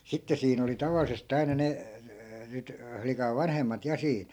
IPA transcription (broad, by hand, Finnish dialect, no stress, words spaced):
sitːe siːn oli tɑʋɑlisest ɑinɑ ne nyt flikɑʋ̆ ʋɑnhemːɑt jɑ siːn